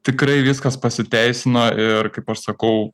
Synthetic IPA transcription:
t̪ʲɪkɾɐɪʋʲɪskɐspɐsʲɪt̪ʲæɪsʲɪnoʔɪɾkɐɪpɐʃsɐkɐʊ

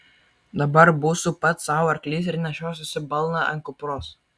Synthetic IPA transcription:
d̪ɐbɐɾbuːsupɐt̪sɑːʋʊɐɾklʲiːsɪɾʲnʲɛʃʲoːs̬ʲɪsʲɪbɐlˠnɑɐ̰ŋkʊpɾoːs

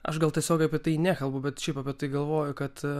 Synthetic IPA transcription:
ɐ̰ʃɡɐlˠt̪ʲiɛsʲoːkɐpʲiɛt̪ɐɪnʲæːkɐlˠbʊbʲɛt̪ʃʲɛɪpɐpʲiɛt̪ɐɪɡɐlˠʋoːjʊkɐt̪

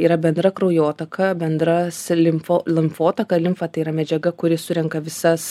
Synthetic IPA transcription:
iːɾɐbʲɛnd̪ɾɐkɾoʊjoːt̪ɐkʰɐbʲɛnd̪ɾɐslʲɪmfolʲˠɪmfoːt̪ɐkɐlʲɪmfɐt̪ɐɪiːɾɐmʲɛd͡ʒʲɛɡɐkʊɾʲɪsʊɾʲɛŋkɐʋʲɪsɐs

